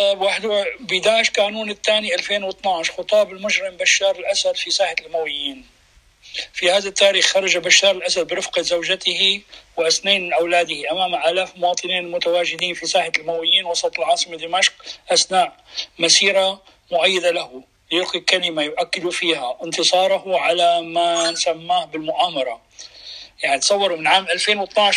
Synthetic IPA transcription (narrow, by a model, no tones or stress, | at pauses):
bwaħd̪bɪd̪aːɪʃkaːnuːnɪt̪ːaːniʔalfeːnwɨt̪ˤnɑʕʃxʊt̪ˤɑːbɪlmʊd͡ʒɾɪmbaʃːɑːɾɪlʔasad̪fisaːħalmawɪjːiːn | fihaːðat̪ːaːɾiːxxɑɾˤɑd͡ʒabaʃːɑːɾˤɪlʔasad̪̚bɪɾɪfqɑzawʒat̪ɪhiwɪʔasnaːnmɪnʔawlaːd̪ɪhiʔamaːmʔaːlaːfmʊwɑːt̪ˤɨniːnmʊt̪awaːʒɪd̪iːnfisaːħalmawɪjːiːnwɑsˤɑt̪ˤɪlʕɑːsˤɨmad̪ɪmaʃk̚ʔasnaːʔmasiːɾa | mʊʕajːɪd̪alahʊ | jʊlqikalɪmajʊʔakːɪd̪ufiːhaʔɪnt̪ɨsˤɑːɾˤɑɦʊʕalamansamːaːhbɪlmʊʔaːmɑɾˤɑ | jaʕnit̪sˤɑwːɑɾˤumɪnʕaːmʔalfeːnwɪt̪naʕʃ